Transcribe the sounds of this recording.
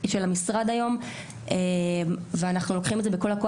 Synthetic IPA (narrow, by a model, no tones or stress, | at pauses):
ʃelamisʁad̪ajo̞m | emveanaχnulo̞kχimezebeko̞lako